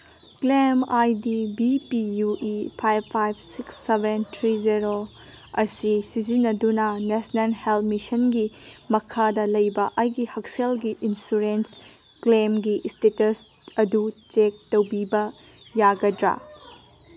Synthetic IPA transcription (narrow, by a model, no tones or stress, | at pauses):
klemajdibipijuʔipʰajbʰajb̚siksːebentʰɾizeɾo | ɐsisizinːɐdunɐnesnɐlhelpmisɐnɡimɐkʰadɐlɐjbɐʔajɡihɐk̚selɡiʔinsuɾens | klemɡistetɐs | ɐdut͡ʃek̚tɐwbibɐ | jaɡɐdɾa̰